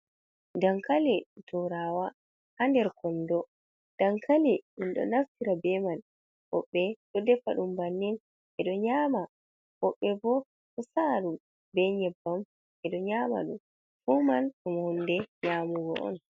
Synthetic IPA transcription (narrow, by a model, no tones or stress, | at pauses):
daŋkalitʰɔɾawa | handɛɾkʰɔndɔ | d̥aŋkʰaliɗunɗɔ̰naftiɾabɛman | hɔ̰ɓːɛɗɔdɛfaɗumbanːin | ɛɗɔɲaːma | hɔɓːɛbɔ | hɔsaɗum | bɛɲɛbːam | ɛɗɔɲaːma̰ɗum | fumanɗumhundɛɲamuɡɔ̰ɔ̰n